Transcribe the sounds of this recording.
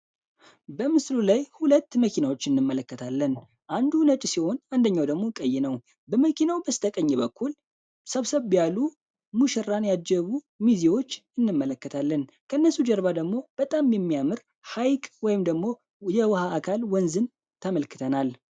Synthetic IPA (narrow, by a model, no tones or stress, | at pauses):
bəmɨslulajhulət̪ːməkʰinawo̞t͡ʃːɨnːɨmːələkːət̪ʰalːən | ʔand̪unət͡ʃʼsiho̞nand̪əɲːawd̪əɡmo̞kʼəjːɛnəw | bəməkʰinawbəst̪ʰəkʼəɲːɛbəkʰːul | səβsəβːjalu | muʃɛrːanjad͡ʒːɛβu | miziwo̞t͡ʃːɨnːɨmːələkːət̪ʰalːən | kʰəɨnːəsud͡ʒɛɾβad̪əɡmo̞b̥ət̪ʼamjɛmːijamɨɾ | hajkʼwɔjɪmd̪əɡmo̞ | jɛwhaːkʰalwɔnzɨn | t̪ʰəməlkʰɨt̪ʰənal